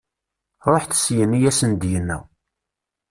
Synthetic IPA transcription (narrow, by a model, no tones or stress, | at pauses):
ɾˤoħθə̥sjənːijæsənd̪jənːæ̰